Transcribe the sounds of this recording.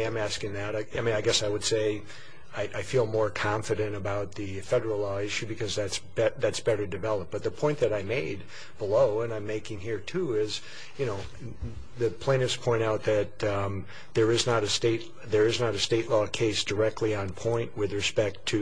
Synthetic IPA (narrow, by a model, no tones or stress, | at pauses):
ãɪ̃mæskɪ̃ŋðɨɾɪaɪmĩnaɪɡɛsaɪwɨd̥seɪ | aɪʔaɪfilˠmɔɹkʰɑ̃ɱfɨɾɨ̃ñɨbaʊt̪̚ðɨfɛɾə˞l̩ˠlɔɪʃʉbɨkʰʌzðætsb̥ɛðætsb̥ɛɾə˞dɨvɛlˠəp̚b̥ʌt̪̚ðəpʰɔ̃ɪ̃nðɨɾaɪmeɪd̚ | b̥əloʊə̃nãɪ̃meɪkɪ̃ŋɦiɹtʰuɪz | jɨnoʊ | ðɨpʰl̥ẽɪ̃ñɨfspʰɔ̃ɪ̃ɾ̃aʊt̪̚ðɨt̪̚ | ðə˞ɨznəɾɨsteɪt | ðə˞ɨznəɾɨsteɪʔˡlɔkʰeɪsd̥ə˞ɛk̚tˡliə̃npʰɔ̃ɪ̃nʔwɨðɹɨspɛk̚tʰɨ